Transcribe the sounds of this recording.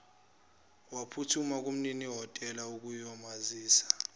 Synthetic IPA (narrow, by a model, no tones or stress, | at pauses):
wapʰutʰumak̬ʼum̩niniɦɔtʼɛlauk̬ʼujɔmaziːsḁ